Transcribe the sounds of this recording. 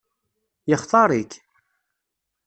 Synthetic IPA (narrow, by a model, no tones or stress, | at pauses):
jəχθˤɑɾˤik